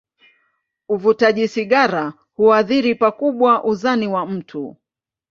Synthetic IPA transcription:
uvutaʄisiɠaɾa | huaðiɾipakuɓwaʔuzaniwam̩tʰu

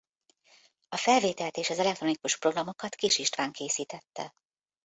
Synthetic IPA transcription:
ɒfɛlveːt̪ɛlt̪eːʃɒzɛlɛk̚t̪ro̞nikuʃpro̞ɡrɒmo̞kɒt̪kiʃiʃt̪ʋaːŋkʰeːsiːt̪ɛt̪ːɛ̰

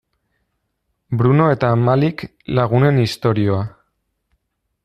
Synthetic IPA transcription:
bɾuno̞e̞t̪aːmalik | laɣ̞une̞nist̪o̞ɾio̞a

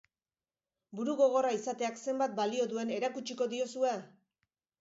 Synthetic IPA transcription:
buɾuɣo̞ɣ̞o̞raisat̪e̞akse̞mbat̪̚balio̞ðue̞ne̞ɾakut͡ʃiko̞ðio̞sue

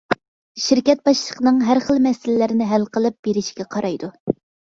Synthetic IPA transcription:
ʃɪɾkʲɛt̪̚bɑʃlˠəqənɨŋɦæɾχəlˠmɛsɪlɪlɪɾɪnɪɦælqəlˠɨp̚b̥eɾɪʃi̥ɡʲɛqʰɑɾɑjd̪u

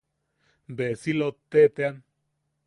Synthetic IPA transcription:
mbesilot̪ːet̪ean

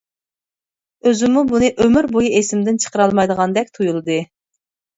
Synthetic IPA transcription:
øzɪmubunɨʔømyɾbojiʔesɪmd̪ɪnt͡ʃʰə̥qəɾɑlˠmɑjd̪əʁɑnd̪ɛkʲt̪ʰujulˠɨd̪ɨ

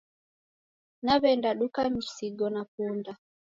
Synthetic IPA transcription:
naβɛndaɗukamisiɡɔnapunda

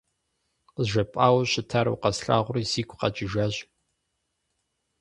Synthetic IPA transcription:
qəʒɐpʼaːwɕɪtʰaːɾɐ̰wqɐsɬa̰ːʁʷʊriziːkʷʰʼqɐ̰d͡ʒʼɪʒaːʑ

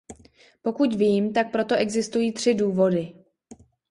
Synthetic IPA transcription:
po̞kucviːmt̪ak̚pɾo̞t̪o̞ʔɛɡzɪst̪ujiːt̪r̝̥ɪduːvo̞dɪ

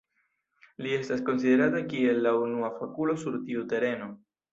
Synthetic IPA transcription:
lie̞stasko̞nside̞ɾatakie̞lːaunuafakulo̞suɾtiute̞ɾe̞no̞

